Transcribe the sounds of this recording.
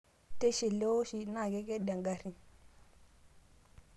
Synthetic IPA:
te˦ʃi˨le˦o˦ʃi˦na˦˨ɡe˦ɡe˦ɗa˨ŋɡa˨ɾi˨

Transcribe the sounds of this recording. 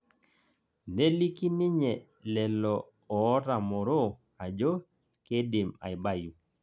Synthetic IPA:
ne˦li˦ki˦nɪ˦ɲɛ˨ | lɛ˨lɔ˨ | ɔː˨˦ɾa˨mɔ˨ɾo˦ | a˨d͡ʒo˦ | ke˦dɪ˨ma̰˨ɪ˨ba˦ju˨

